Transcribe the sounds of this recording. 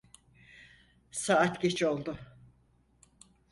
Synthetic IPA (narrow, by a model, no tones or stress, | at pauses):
saat̪ɟet͡ʃo̞lˠd̪ʊ